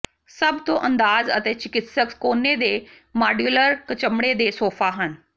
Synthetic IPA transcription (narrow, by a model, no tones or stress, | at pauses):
sɐbʱt̪õʔɐ̃nd̪aːzə̰t̪eːt͡ɕɪkɪt̪səkskoːned̪eː | maːɖjuːləɾkɐt͡ɕəmɽed̪eːsoːfaɦənɪ̆